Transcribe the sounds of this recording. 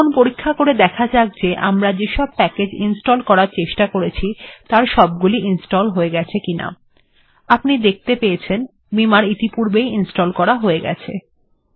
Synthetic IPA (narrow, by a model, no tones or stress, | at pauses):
onpoɾikʰːakoɾed̪ɛkʰad͡ʑak̚d͡ʑeʔa̰mɾad͡ʑeʃɔb̚pɛked͡ʑinsʈolkɔɾaɾt͡ɕeʃʈakoɾet͡ɕʰit̪aɾʃɔb̚ɡuliʔinsʈolɦoeɡɛt͡ɕʰekina̰ | apnid̪ek̚ʰt̪epeet͡ɕʰen | bimaɾit̪ipuɾbejinsʈolkɔɾaɦoeɡɛ̰t͡ɕʰḛ